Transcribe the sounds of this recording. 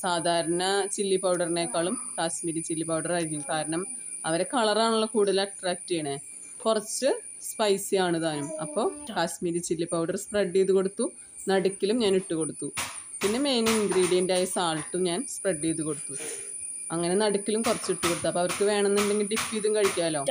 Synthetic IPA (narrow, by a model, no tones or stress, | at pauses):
saːd̪ʱaːɾɐnɐt͡ɕilːipɐwɽɐrinekːaːɭumkaːsmiːɾit͡ɕilːipɐwɽɐraːɾikʲːumkaːɾɐɳɐm | ɐʋɐɾe̞kɐɭɐraːɳuɭːɐkuːɽuðɐlɐʈraːk̚tɨaɳe | kurɐt͡ɕːɨ | spɐjsijaːɳɨðaːnumɐpːo̞ːkaːsmiːɾit͡ɕilːipɐwɽɐrspreɖːeðuko̞ɽut̪ːu | nɐɽukʲːilumɲaːniʈːuko̞ɽut̪ːupinːe̞me̞jniŋind̪riːɽijɐndeaːjɐsaːlʈːumɲaːnspreɖːeːðuko̞ɽut̪ːu | ɐŋːɐne̞nɐɽukʲːilumkurɐt͡ɕːiʈːuko̞ɽt̪ːɐpːoːɐʋɐrkɨʋe̞ːɳenːeɳɖe̞ŋɡilɖifiðumkɐɻikʲːaːlo̞ː